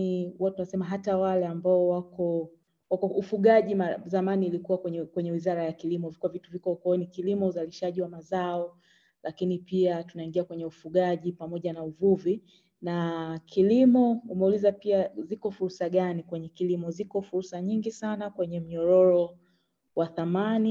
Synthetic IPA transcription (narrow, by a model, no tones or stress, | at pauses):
iuatunasɛmaɦatawalɛambaɔwakɔ | wakɔʔufuɠaʄimazamaniːlikuwakwɛɲɛkwɛɲɛwizaɾajakilimɔivikuwavituvikɔkɔnikilimɔuzaliʃaʄiwamazaɔ | lakinipiatunaiŋɡiakwɛɲɛufuɠaʄipamɔʄanauvuvi | nakʰilimɔumɛulizapiazikɔfuɾsaɠanikwɛɲɛkilimɔzikɔfuɾsaɲiŋɡisanakwɛɲɛm̩ɲɔɾɔɾɔ | waθamani